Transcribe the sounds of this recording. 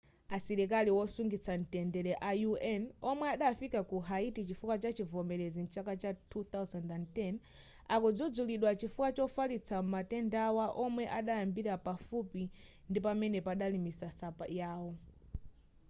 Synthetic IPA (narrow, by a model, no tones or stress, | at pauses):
asɛɾɛk̬aliwɔsuŋɡit͡san̩tɛndɛɾɛʔajuɛnɔmwɛaɗafikakuɦaitit͡ʃifukat͡ʃat͡ʃivɔmɛɾɛzint͡ʃakat͡ʃatʰut̪awzandantɛn | akɔd͡zɔd͡zuliɗwat͡ʃifukat͡ʃɔfalit͡sʰammatɛndawaʔɔmwɛʔaɗajambiɾapafupi | ndipamɛnɛpaɗalimisasapa̰jaːwɔ